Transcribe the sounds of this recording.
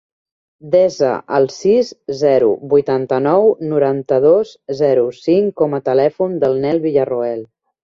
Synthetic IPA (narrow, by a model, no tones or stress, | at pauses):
d̪ɛzə̰ʔəlˠsizzɛɾṵβujt̪ant̪ənɔwnuɾant̪əð̞ozzɛɾusiŋkɔmət̪əlɛfund̪əlˠnɛlˠβiʎəruɛlˠ